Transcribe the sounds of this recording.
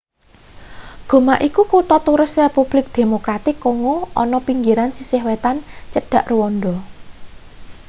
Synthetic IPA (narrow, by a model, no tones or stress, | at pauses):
ɡ̥o̤maʔikukut̪ɔt̪uɾɪsrepub̥lɪk̚d̪̥e̤mokɾat̪ɪkːɔŋoʔɔnɔpiŋɡiɾansisɪhwet̪ant͡ʃəɖ̥a̤ʔruwɔnd̪ɔ